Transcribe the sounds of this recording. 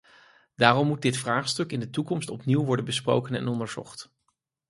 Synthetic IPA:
daːrɔmːut̚dɪtfraːχstɵkɪndətukɔmstɔpniwʋɔɹdənbəspro̰wkənɛ̰nɔndəɹz̥ɔ̰χt

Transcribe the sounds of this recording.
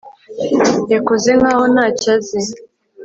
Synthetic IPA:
jakozeŋɡaːhonaːcazi

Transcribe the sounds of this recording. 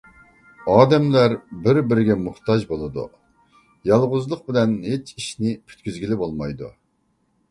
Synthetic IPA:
ɑːd̪ɛmlæɾbɪɾbɪɾɪɡʲɛmuχt̪ɑʒbolˠɨd̪ṵ | jɑlˠʁʊzlˠəq̚bɪlɛnhet͡ʃiʃnɪpʰy̥t̪kʲyzɡʲilɪbolˠmɑjd̪ṵ

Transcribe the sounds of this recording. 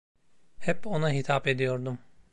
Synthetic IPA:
hɛpo̞naɦit̪ʰape̞d̪ijo̞ɾd̪um

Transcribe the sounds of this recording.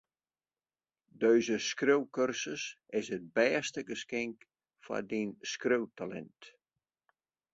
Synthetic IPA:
døɥzəskrøwkørsəs | ɪsət̚bɛːstəɡəskɪŋk | fa̰dinskrøwtʰalɛ̰nt

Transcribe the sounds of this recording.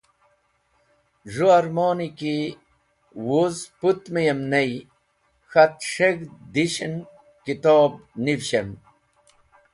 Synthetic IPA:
ʐuɐɾmoːniki | wozput̪mejɐmnɐj | xɐt̪ʂeɡd̪iɕin | kit̪oːb̚nivɕen

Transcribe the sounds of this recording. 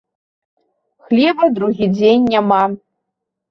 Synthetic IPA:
xlʲɛbɐd̪ɾuɣʲid͡zʲenʲːama

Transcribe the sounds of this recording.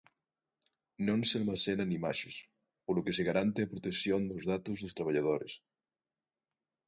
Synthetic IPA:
nõnsealmasenanimaʃes | polokeseɣaɾant̪eapɾot̪esjond̪ozðat̪ozðost̪ɾaβ̞aʎað̞oɾes

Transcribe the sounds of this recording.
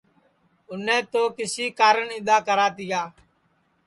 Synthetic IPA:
ʊnẽːt̪oːkɪsiːkaːɾəɳɪd̪aːkəɾaːt̪iːaː

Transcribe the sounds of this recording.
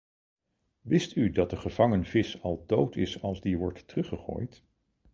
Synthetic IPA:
ʋɪstydɑt̚dəχəv̥ɑŋənvɪsɑlˠdowtʰɪsɑlˠzdiʋɔɹtːərɵχəχo̰ːjt

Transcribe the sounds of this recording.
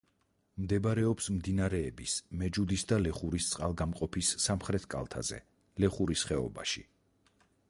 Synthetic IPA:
md̪ɛbaɾɛɔpsmd̪inaɾɛːbismɛd͡ʒud̪isd̪alɛχuɾist̪sʼqʼalˠɡamqʼɔpʰisːamχɾɛt̪ʰkʼa̰lˠt̪ʰa̰zɛ̰ | lɛχuɾisχɛɔ̰ba̰ʃḭ

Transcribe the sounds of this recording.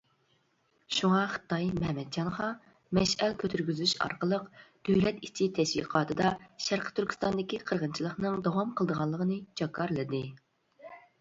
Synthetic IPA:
ʃuŋɑχə̥t̪ːɑjmɛmɛd̪̚d͡ʒɑnʁɑ | mɛʃɛlkʲʰøt̪ʰyɾɡʲyzyʃɑ̰ɾqəlˠəqd̪̥øwlɛt̪it͡ʃʰit̪ʰɛʃwḭqʰɑːt̪ʰɨd̪ɑʃæɾqʰə̥t̪ʰyɾkʲy̥st̪ɑnd̪ɪkʲiqʰəɾʁənt͡ʃʰilˠəχnɨŋd̪ɑwɑmqʰəlˠd̪əʁɑlˠːəʁənɨt͡ʃʰɑkʰːɑɾlˠɨd̪ɨ

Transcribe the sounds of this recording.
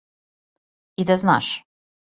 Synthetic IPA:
id̪azna̰ʃ

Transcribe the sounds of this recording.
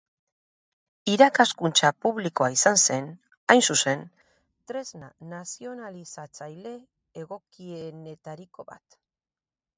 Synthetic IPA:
iɾakaskunt͡ʃapuβliko̞aisanse̞n | ajnsuse̞n | t̪ɾe̞znanasio̞nalisat͡sajle̞ː | ɣ̞okiene̞t̪aɾiko̞βa̰t̪

